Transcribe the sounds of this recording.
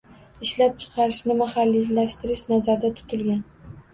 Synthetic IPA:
ɪʃlap̚t͡ʃʰɨ̥qʰɑɾɪʃnɪmahalːilaʃt̪ɪɾɪʃnazaɾd̪at̪ʰʊ̥t̪ʰʊlɡʲan

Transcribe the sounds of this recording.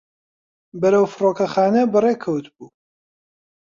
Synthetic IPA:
bɐɾɐwfɨroːkɐxaːnɐbɨrekʰɐwt̪buː

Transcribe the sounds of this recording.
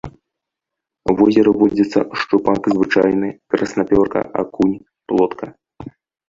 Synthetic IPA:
vɔzʲɛɾɨvɔd͡zʲɐt̪sːɐ̰ʂt͡ʂupakzvɨt͡ʂajnɨkɾɐsnapʲɔrkɐ̰ʔa̰kunʲ | plˠɔt̪kɐ

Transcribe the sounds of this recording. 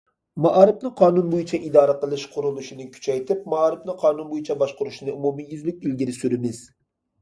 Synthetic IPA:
mɑʔɑɾɪpnɨqʰɑːnunbojit͡ʃʰɛʔid̪ɑːɾəqəlˠɨʃqʰʊɾulˠuʃinɪkʲʰy̥t͡ʃʰɛjt̪ʰɪp̚mɑɑɾɪfnɨqʰɑːnunbojit͡ʃʰɛbɑʃqʊɾuʃnɨumumijyzlyk̚ʲilɡʲiɾɪsyɾɪmɪz

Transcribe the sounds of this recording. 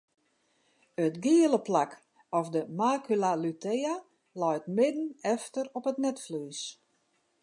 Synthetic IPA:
ətɡiələplak | ɔfdəmaːkylalytʰeja | lɔjtmɪdən̩ɛftərɔpətnɛtflyːs

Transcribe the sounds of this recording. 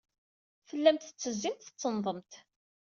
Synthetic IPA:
fəlːæmt̪θə̥t͡sːəzːint̪θət͡sːənðˤəmt̪

